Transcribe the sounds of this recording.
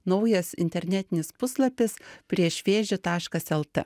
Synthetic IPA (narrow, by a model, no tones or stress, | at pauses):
nɒʊjɛsɪ̰nʲt̪ʲɛɾʲnʲɛt̪ʲɪnʲɪspʊslˠɐpʲɪspʲɾʲiɛʃʲʋʲeːʒʲɪt̪ɑːʃkɐsɛlˠt̪ɛ̰